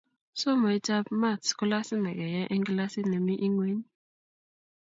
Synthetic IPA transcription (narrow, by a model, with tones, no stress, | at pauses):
sɔ˦ma˨i˦ta˦pma˦˨tsku˦la˦si˦nɛ˨kɛ˨jɛ˦ʔɛ˦ŋɡla˦si˦nɛ˨mi˦ʔi˦ŋwe˦ni˦